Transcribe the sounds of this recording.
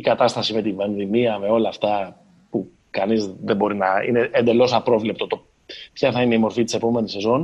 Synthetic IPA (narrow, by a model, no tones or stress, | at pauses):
ikɐt̪ɐst̪ɐsime̞t̪ivenðimiɐme̞o̞lɐːft̪ɐ | pu | kɐnizðebo̞ɾinɐḭne̞end̪e̞lo̞sɐpɾo̞vlep̚t̪ot̪o̞ | pçɐθɐineimo̞ɾfit̪i̥se̞po̞me̞nise̞zo̞n